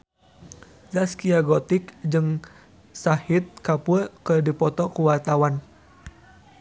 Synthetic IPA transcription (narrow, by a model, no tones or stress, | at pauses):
zaskiaɡɔt̪ikd͡ʒɨŋ | sahit̪̚kapulkərdipɔt̪ɔkuwart̪awan